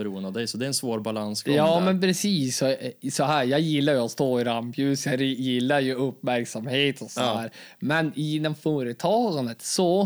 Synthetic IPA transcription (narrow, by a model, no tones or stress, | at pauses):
ɛɾuːənd̪avd̪ɛjsɔd̪ɛɾɛnsvoːɾbalanskʰjɑːmɛnpʰɾɛsiːsːɔsɔɦæːɾjɑːɡjɪlːaɾjɵɔt̪st̪oːɪɾampjʉ̟ːsjɑɾɪjɪlːaɾjɵɵpːmæɾksamheːt̪ʰɔsɔd̪æːɾmɛnɪnːɔmfœːɾət̪ʰɑːɡand̪ət̪sɔ